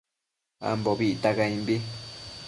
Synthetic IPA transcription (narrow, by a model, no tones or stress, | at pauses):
a̰mboβiʔit̪akaĩmbi